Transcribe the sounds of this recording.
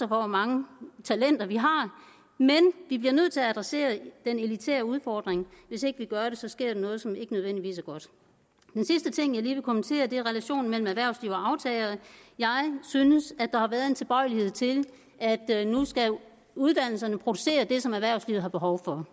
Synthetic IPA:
sɐfɒʋɒmɑ̈ŋət͡sʰælen̰d̥ɐʋiɦɑ̈ | menʋibliɐnøð̞̰ˠt͡sʰe̝lææd̥ʁɛse̝̰ːɐd̥enelit͡sʰḛːɐuð̞ˠfɒːd̥ʁeŋʋe̝se̝ɡ̥əʋiɡ̥ɶɐɾe̝sɒ̽sɡ̥e̝ɐ̰ɾ̥ɑnɔ̽ːð̞̩ˠsɒ̽me̝ɡ̥ənøðˠen̰d̥iʋḭːsæɐɡ̥ɒ̽d̥ | d̥ensisd̥ət͡sʰe̝ŋ̰jɑ̈ɪliːʋe̝kʰɒ̽mənt͡sʰe̝̰ːɐd̥e̝æɐʁɛlæɕo̝̰ːn̩mel̰m̩æʋæɐ̰ʊsliʊ̰ɒ̽ɑ̈ʊt͡sʰɛːlɐð̩ˠjɑ̈ɪsynəsæd̥ɑ̈hɑ̈ʋæːɐðˠe̝nt͡sʰe̝lb̥ɒ̽ɪlihe̝ð̞̰ˠt͡sʰe̝l | æd̥nusɡ̥æ | uð̞ˠd̥æn̰l̩sɐnəpʰʁo̝d̥u̥se̝̰ːɐd̥e̝sɒ̽mæʋæɐ̰ʊslḭʊhɑ̈b̥e̝ɦɒʊfɒ̽

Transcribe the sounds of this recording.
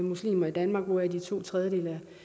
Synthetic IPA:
muslḭːmɐid̥ænmɑ̈ːɡ̥ʋoæd̥it͡sʰo̝̰ːt͡sʰʁɛðˠjəd̥e̝̰ːlæ

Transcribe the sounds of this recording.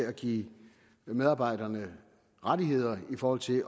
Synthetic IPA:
æɡ̥ḭː | meðˠɑ̈ːb̥ɑ̈ɪ̰dɐnə | ʁadiɦe̝ð̞̰ˠɐifɒːhɒ̽l̰t͡sʰe̝l

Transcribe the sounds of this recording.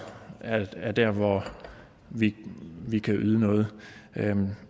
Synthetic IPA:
ææɐd̥æɐ̰ʋɒ | ʋiʋikʰæʔyð̞ˠənɔ̽ːð̞̩ˠ

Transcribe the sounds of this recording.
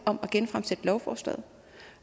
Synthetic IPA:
ɒ̽mɒɡ̥enfʁamsed̥əlɒʊfɒ̰ːsd̥ɛ̰ð̩ˠ

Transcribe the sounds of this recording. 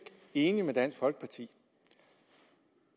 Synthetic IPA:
ɡ̥ | e̝ːnimed̥æn̰sɡ̥fɒ̽lɡ̥ə̥pʰɑ̈t͡sʰḭː

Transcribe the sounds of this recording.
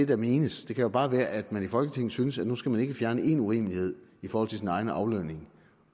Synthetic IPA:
de̝d̥ɑ̈miːnəsd̥e̝kʰæjo̝b̥ɑ̈ːʋæːɐʔæd̥mænifɒ̽lɡ̥ət͡sʰe̝ŋ̰n̩synəsæd̥nusɡ̥æmæne̝ɡ̥əfjæɐnəe̝nuʁḭːməlihe̝ð̰ˠifɒːɒ̽l̰t͡sʰe̝sinɑ̈ɪnəʔɑ̈ʊløne̝ŋ

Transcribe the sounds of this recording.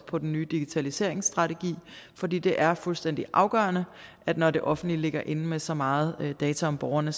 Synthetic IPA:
pʰɒ̽d̥n̩ːyːd̥iɡ̥it͡sʰælise̝̰ɐ̰e̝ŋsd̥ʁɑ̈t͡sʰeɡ̥ḭːfɒ̽d̥ḭːd̥e̝ʔæɐfulsd̥en̰d̥iʔɑ̈ʊɡ̥ɶ̰ːɐnəʔæd̥nɒde̝ʔɒ̽fn̩dlile̝ɡ̥ɐʔe̝nəmesɒ̽mɑ̈ːð̞̩ˠd̥ɛːt͡sʰæɒ̽mb̥ɒʊɐnə

